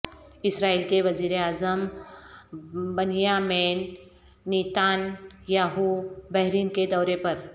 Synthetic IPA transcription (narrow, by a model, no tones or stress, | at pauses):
ɪsɾaːiːlkeʋɐziːɾeaːzəm | bɐnjaːmeːnː | iːt̪aːnjaːɦubɛɦɾiːnked̪ɔːɾepɐɾ